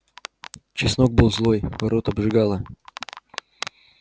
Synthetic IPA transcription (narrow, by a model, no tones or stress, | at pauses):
t͡ɕɪsno̞ɡ̚bɨlˠzlˠo̞jvɐɾot̪ɐbʐɨɡalˠə